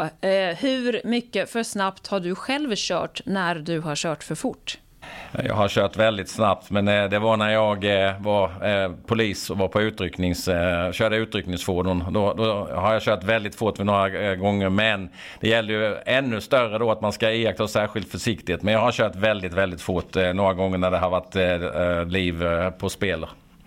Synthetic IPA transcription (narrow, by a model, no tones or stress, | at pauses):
hʉ̟ɾmʏkːəfœʂnapt̪haɖɵɧɛlvɕœ̰ːʈnæɾd̪ɵɦaɾɕœːʈfœɾfʊʈː | jɑ̰ːɡɦaɕøːʈ̪vɛld̪ɪt̪snap̚t̪mɛnd̪ɛvanæɾjɑːɡvaɾpʰʊliːsɔvapʰɔʉ̟ːt̪ɾʏknɪŋsɕøːdəʉ̟ːt̪ɾʏknɪŋsfoːd̪ʊnd̪ɔd̪ɔɦaɾjɑɕøːʈ̪vɛld̪ɪt̪fʊʈːvɪnoːɾaɡɔŋːəɾmɛn | d̪̥ɛjɛlːəɾjɵɛnːɵst̪œrəd̪ɔat̪manskaeːakt̪ʰasæːɧɪlt̪fœʂɪkt̪ɪt̪mɛnjɑːɡhaɾɕøːʈ̪vɛld̪ɪt̪vɛld̪ɪt̪fʊʈːnoːɾaɡɔŋːəɳæɖɛɦavat̪ː | liːvpʰɔspeːləɾ